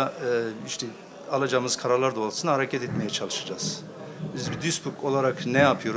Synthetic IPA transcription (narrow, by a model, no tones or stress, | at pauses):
aiʃt̪ʰɛ | alˠad͡ʒaːmɯz̥kʰaɾaɾlˠaɾd̪olˠasɯnahaɾecʰɛt̪ɛt̪me̞jɛt͡ʃʰalˠɯʃad͡ʒaːz̥ | bizbid̪yspʰukʰo̞lˠaɾaknɛjapʰɯjo̞ɾu